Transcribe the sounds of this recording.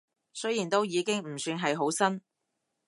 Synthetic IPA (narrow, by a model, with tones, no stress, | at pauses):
sɵ˥jiː˨˩nt̪o˥wjiː˨˧kɪ˥ŋm̩˨˩syː˧nɦɐ˨jɦo˨˥wsɐ˥n